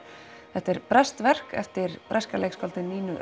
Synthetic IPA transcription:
θɛht̪ɛɾpɾɛst̪vɛr̥kɛ̰ft̪ɪɾpɾʔɛskalejkskɔlt̪ɪnːiːnʏʔ

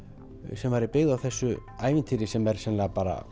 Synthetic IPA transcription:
sɛmvaːɾɪpɪɣðawθɛsːʏaːjvɪnt̪ʰiːɾɪsɛmɛɾ̥sɛnlaɣapaːɾa̰

